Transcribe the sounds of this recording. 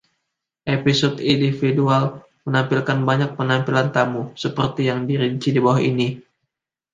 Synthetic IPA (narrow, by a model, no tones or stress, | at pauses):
ʔepisɔt̪indifidual | mənampilkanbaɲak̚pənampilant̪amusəpərt̪ijaŋdiɾiɲt͡ʃidibawahini